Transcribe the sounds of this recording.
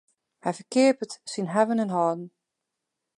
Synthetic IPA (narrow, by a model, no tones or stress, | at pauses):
hɛjfəkɪəpətsinɦɛvənənɦɔːdn̩